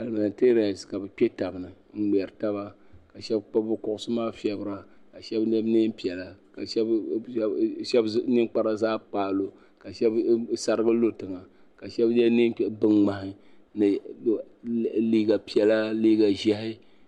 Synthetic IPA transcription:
a˨lma˨n˨te˦ɾa˨ska˨bɛ˨k͡pʲe˦ta˨bɨ˨nɨ˨ | ŋ͡m̩˦ɡ͡bɛ˨ɾɨ˨ta˦ba˦ka˨ʃɛ˦bk͡pa˦bʊ˦kʊ˦ʔʊ˦sɨ˦maː˦fi˦ɛ˦bɨ˨ɾa˦ka˨ʃɛ˦bnɛ˦bni˦pi˨ɛ˨la˨ka˨ʃɛ˦b | ʃɛ˦bnɨ˦ŋk͡pa˦ɾa˦zaː˦k͡paː˨lo˨ | ka˨ʃɛ˦bsa˨ɾɨ˦ɡɨ˦lo˦tɨ˨ŋa˨ | ka˨ʃɛ˦bnɛ˦nɨ˦bɨ˦ŋŋ͡ma˨hɪ˦ | nɨ˨ | liː˦ɡa˨pi˨ɛ˨la˦li˦ɡa˨ʒɛ˦hɪ˦

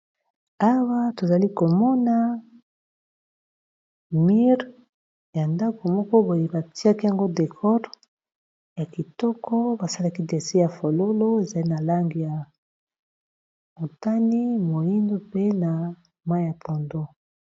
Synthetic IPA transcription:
a˦wa˦to˨za˨li˦ko˨mɔ˦na˦ | mi˦ʁ | ja˨nda˦ko˨mɔ˦kɔ˦bo˨je˨ba˨ti˦a˦ki˦ja˨ŋɡo˦de˨kʰɔ˦ʁ | ja˨ki˨tɔ˦kɔ˦ba˨sa˦la˦ki˦de˨se˦ja˨fo˨lo˦lo˦e˨za˨li˦na˨la˦ŋɡi˨ja˨ | mo˨ta˦ni˦mo˨i˦ndo˦pe˦na˨ | ma˦ja˨po˨ndo˦

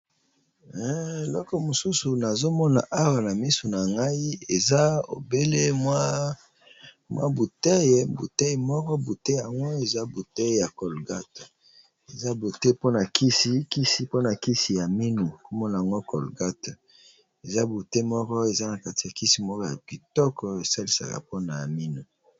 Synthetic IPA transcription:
ɛ˦e˨lɔ˦kɔ˨mo˨su˦su˨na˨zo˦mɔ˦na̰˨ʔa˦wa˨na˨mi˦so˨na˨ŋɡa˦i˦e˨za˦o̰˨be˦le˦mwa˦ | mwʔa̰˦bu˨te˦je˨bṵ˨te˦jmɔ˦kɔ˦bu˨te˦ja˨ŋɡo˦e˨za˦bu˨te˦jja˨kɔ˨lɡa˦t | e˨za˦bu˨te˦po˦na˨kʰi˦si˦ki˦si˨˦po˦na˨ki˦si˨ja˨mi˦nu˨ko˦mɔ˦na˨a˨ŋɡo˦kʰɔ˨lɡa˦t | e˨za˦bu˨te˦mɔ˦kɔ˦e˨za˦na˨ka˦ti˨ja˨ki˦si˨mɔ˦kɔ˦ja̰˨ki˨tɔ˦kɔ˨e˨sa˦li˦sa̰˨ka̰˨po˦na˨a˨mi˦nu˨

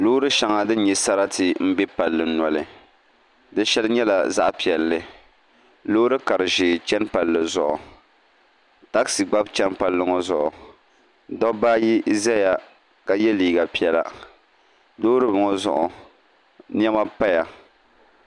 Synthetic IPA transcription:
loː˦ɾɨ˦ʃa˨ŋa˨dɨ˦n˦ɲɛ˨sa˦ɾa˦tʰɪ˨m̩˦bɛ˦pa˨lːɨ˨˦nɔ˨lɨ˨ | dɨ˦ʃɛ˦lɨ˦ɲɛ˦la˨za̰˦ʔpi˨ɛ˨lːɨ˨ | loː˦ɾɨ˦ka˨ɾɨ˨ʒeː˨t͡ʃɛ˦npa˨lːɨ˨zʊ̰˨ʔʊ̰˨ | ta˦ksɨ˨ɡ͡ba˦bt͡ʃɛ˦npa˦lːɨ˦ŋɔ˦zʊ̰˨ʔʊ˨ | dɔ˦ba˦ji˦za˦ja˨ | ka˨jɛ˦liː˨ɡa˨pi˨ɛ˦la̰˨ | doː˦ɾɨ˦bʊ˨ŋɔ˦zʊ˦˨ʔʊ˨ | n˦ɛ˦ma˦pa˦ja˨

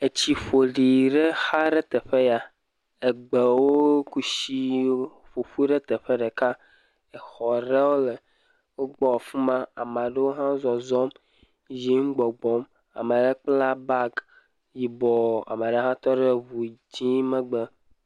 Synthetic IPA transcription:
e˨t͡ɕi˨ɸo˨ɖi˨ɖe˦xa˦ɖe˦t̪ɛ˨ɸe˦ja˨ | e˨ɡ͡be˨wo˦ku˦ʃi˦ɸu˨fu˦ɖe˦t̪e˨ɸe˦ɖe˨ka˦ | e˨xɔ˨ɖe˦wo˦le˨ | wo˦ɡ͡bɔ˨fũ˦mã˦a˨mã˨ɖe˦wo˦ɦã˦zɔ˨zɔ˦m | zi˦ŋ̩˦ɡ͡bɔ˨ɡ͡bɔ˦m | a̰˨me˨ɖe˦k͡pla˦ba˦ɡ | ji˨bɔ˨a̰˨me˨ɖe˦ɦã˦t̪ɔ˦ɖe˦vu˨d͡ʑĩ˦mɛ˦ɡ͡be˨

